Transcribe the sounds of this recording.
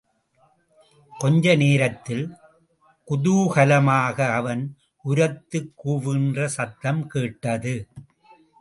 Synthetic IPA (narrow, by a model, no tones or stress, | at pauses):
kɔɲd͡ʒɐneːɾɐt̪ːɪl | kʊðuːɣɐlɐmaːɣɐːʋɐn | ʔʊɾɐt̪ːɯkːuːʋɪndrɐsɐt̪ːɐmkeːʈːɐðɯ